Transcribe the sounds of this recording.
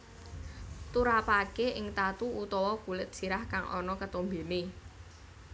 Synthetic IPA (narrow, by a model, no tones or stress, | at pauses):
t̪uɾapakeʔɪŋt̪at̪uut̪ɔwɔkulɪt̪̚siɾahkaŋɔ̰nɔkət̪ombe̤ne